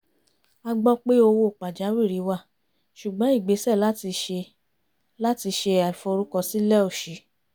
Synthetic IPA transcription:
a˧ɡ͡bɔ˦k͡pe˦o˧wo˦˨k͡pa˨d͡ʒa˨˦wi˦˨ɾi˨˦wa˦˨ | ʃu˨ɡ͡bɔ̃˨˦i˦˨ɡ͡be˨˦sɛ˦˨la˦ti˧e˧ | la˦ti˧ʃe˧a˨i˨fo˧ɾu˦kɔ˧si˦lɛ˦o˦˨ʃi˨˦

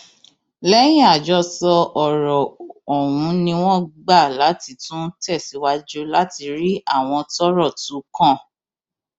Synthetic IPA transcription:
lɛ˦j̃ĩ˦a˨d͡ʒɔ˧sɔ˧ɔ˨ɾɔ˨ɔ˨wũ˨˦nĩ˧w̃ɔ̃˦˨ɡ͡ba˦˨la˨˦ti˨˧tũ˦tɛ˦˨si˨˦wa˧d͡ʒo˧la˦ti˧ɾi˦a˦˨w̃ɔ̃˧tɔ˦ɾɔ˦˨tũ˨˦kã˦˨

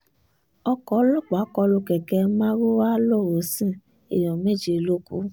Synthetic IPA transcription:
ɔ˧kɔ˨˦lɔ˦˨k͡pa˨˦kɔ˧lo˧kɛ˨kɛ˧mã˦ɾo˦wa˦lo˦˨wo˨˦sĩ˦˨ | ḛ˨j̃ɔ̃˨me˦˨d͡ʒe˧˨lo˦kṵ˦

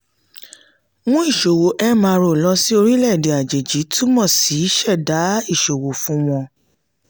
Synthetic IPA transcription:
w̃ɔ̃˦i˦˨ʃo˨wo˨˦ʔɛ˦mã˧ɾo˦˨lɔ˦si˦o˧ɾi˦lɛ˦˨de˨a˨d͡ʒe˨d͡ʒi˨˦tu˦mɔ̃˦˨si˨˦ʃɛ˦˨da˨˦i˦˨ʃo˨wo˨fũ˦w̃ɔ̃˧

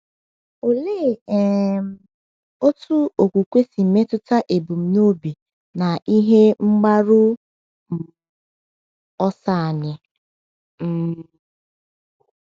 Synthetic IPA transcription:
o˨le˦˨˦ | o˦tʰu˦o˨kʷu˨kʷe˦si˨m̩˨me˦tʊ˦ta˦ʔe˨bu˨m̩˨no˦bi˨ | na˨ʔi˦ɦe˦ŋ͡m̩˦ɡ͡ba˦ɾʊ˦ | m̩˨ | ɔ˦sa˦˨a˨ɲɪ˦ | m̩˦

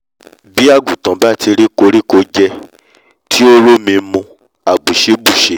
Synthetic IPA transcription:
bi˦a˦˨ɡu˨tã˨˦ba˦tʰi˧ɾi˦ko˧ɾi˦ko˧d͡ʒɛ˦ | tʰi˦o˦lo˦mĩ˧˦mõ˧ | a˨ɡ͡bu˨ʃe˨˦bu˦˨ʃe˨˦

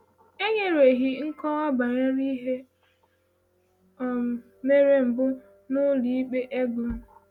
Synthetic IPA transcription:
e˦ɲe˦ɾe˨ɦi˦ŋ̩˦kɔ˦ɔ˦ba˨ɾe˦ɾi˦ɦe˦ | ɔ˨ | me˦ɾe˦m̩˨bʊ˦ | nʊ˦li˨i˦k͡pe˦ʔe˦ɡʊ˨m̩˦

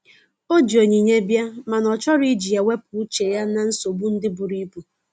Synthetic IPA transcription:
o˦d͡ʒi˨o˨ɲi˨ɲe˦bja˦ma˨nɔ˨t͡ʃɔ˦ɾi˦d͡ʒi˨ja˨we˦pʊ˨˦t͡ʃe˨ja˦na˨n̩˦so˨bu˦n̩˦dɪ˦bʊ˨ɾi˦bu˨

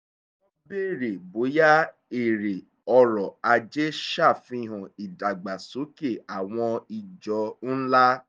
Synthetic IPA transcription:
ɔ˦be˦˨ɾe˨bo˨˦ja˦ | e˨ɾe˨ | ɔ˧ɾɔ˨a˧d͡ʒe˦ʃa˦˨fĩ˧˦ɦũ˨i˨da˨ɡ͡ba˨so˨˦ke˦˨a˨w̃ɔ̃˧i˨d͡ʒɔ˧n̩˦la˦

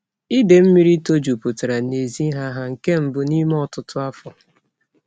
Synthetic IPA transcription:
i˦de˨m̩˦mi˦ɾi˦to˦d͡ʒu˨pʊ˨ta˨ɾa˨ne˨zi˦ɦa˦ɦa˨ŋ̩˨ke˦m̩˦bʊ˨ni˦m˦ɔ˦˨tʊ˦tʊ˦a˦fɔ˨

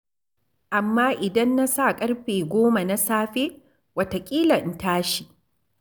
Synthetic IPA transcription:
ʔa˨mːaː˦ʔɪ˨dɐ˦nːa˦sa˦kʼɐ˦rɸeː˨ɡʷoː˦ma˨na˦saː˦ɸe˦ | wɐ˨ta˨kʲʼiː˦lɐ˨n˨taː˦ʃi˨ʔ

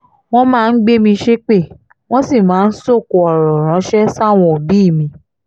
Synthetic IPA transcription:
w̃ɔ̃˦mãː˦˧n̩˦ɡ͡be˦mĩ˧ʃe˦k͡pe˦˨ | w̃ɔ̃˦si˦˨mãː˨˦n̩˦so˦˨ko˧ɔ˨ɾɔ̃˨ɾ̃ã˨˦ʃɛ˦sa˦˨w̃ɔ̃˧o˨bi˦˨mĩ˧

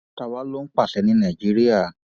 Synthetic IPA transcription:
ta˧˨wa˨˦lo˦n̩˦k͡pa˦˨sɛ˨˧˦nĩ˧˦nã˨d͡ʒi˨˦ɾi˦a˦˨

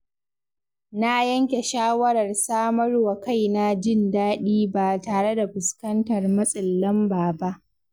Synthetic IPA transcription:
na˦jɐ˦ŋkʲe˨ʃaː˦wɐ˦ɾɐ˨rsaː˦mɐ˦rwa˨ka˦˨jna˦d͡ʒɪ˦˨ndaː˦ɗiː˦ba˨taː˨ɽe˦da˨ɸʊ˨skɐ˦ntɐ˨rmɐ˦sʼɪ˨lːɐ˦mbaː˨ba˦ʔ

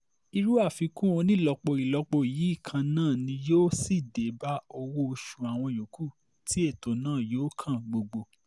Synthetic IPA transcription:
i˧ɾu˦a˦˨fi˨˧kũ˦o˧nĩ˦lɔ˧k͡po˧i˨lɔ˧k͡po˧˨ji˨˦i˦˨kʰã˧nãː˦˨nĩ˧joː˦si˦˨de˨˦ba˦o˧wo˦o˧ʃu˨a˨w̃ɔ̃˧jo˨˦ku˦˨ | tʰi˨˦e˦˨to˨˦nãː˦˨joː˦kʰã˦˨ɡ͡bo˧ɡ͡bo˧

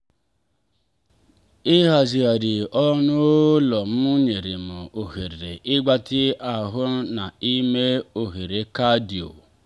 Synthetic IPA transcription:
ɪ˦ɦa˨zi˨a˨ɾi˨ɔ˦nʊ˦lɔ˨m̩˦ʊ˦ɲe˨ɾɪ˨m̩˨o˨ɦe˨ɾe˨ɾe˨ʔɪ˦ɡ͡ba˦tɪ˦a˨ɦʊ˦na˨i˦me˦o˨ɦe˨ɾe˨ka˦di˨o̰˨

